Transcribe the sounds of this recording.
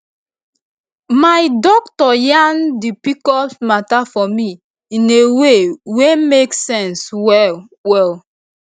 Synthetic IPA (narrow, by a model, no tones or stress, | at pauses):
majdɔk̚tɔjãndipikɔltmatafɔmi | ĩnewewemeksɛ̃nswɛ | wɛl